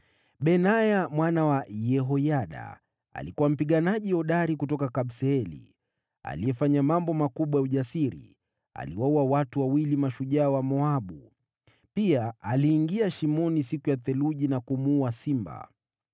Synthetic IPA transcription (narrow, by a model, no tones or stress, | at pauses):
ɓɛnajamwanawajɛɦɔjaɗa̰ː | likuwam̩piɠanaʄiɔɗaɾikutɔkakaɓsɛɛlḭ | a̰lijɛfaɲamambɔmakuɓwajauʄasiɾḭ | a̰liwauawatuwawilimaʃuʄaːwamɔaɓu | piaaliːŋɡiaʃimɔnisikujaθɛluʄinakumuasimba̰